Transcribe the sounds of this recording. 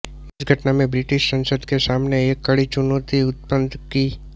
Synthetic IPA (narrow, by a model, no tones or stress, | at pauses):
ɪsɡʱɐʈnamẽbɾɪʈɪʃsə̃nsəd̪kesaːmneeːkːɐɽit͡ʃʊnot̪iʊt̪̚pənd̪kiː